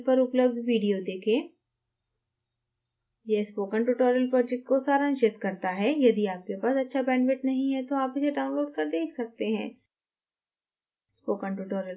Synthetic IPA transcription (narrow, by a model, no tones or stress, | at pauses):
pɐɾʊpləb̚d̪ʋiːɖijod̪eːkʰẽː | jespoːkəɳʈuʈɔːɾəlpɾɔːd͡ʒɛk̚ʈ̚kosaːɾanʃɪt̪kɐɾt̪aɦɛːjɐd̪iaːp̚kepaːsɐtːʃʰabɛ̃ːɳɖʋɪʈnɐɦĩɦɛt̪oaːpʊzeɖaːʊ̃nloːɖ̚kɐɾd̪eːkʰsɐk̚t̪eɦɛ̃ː | spoːkə̃ɳʈuːʈɔːɾəl